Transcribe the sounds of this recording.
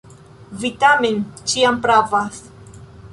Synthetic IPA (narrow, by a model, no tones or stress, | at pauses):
vitament͡ʃiampɾavas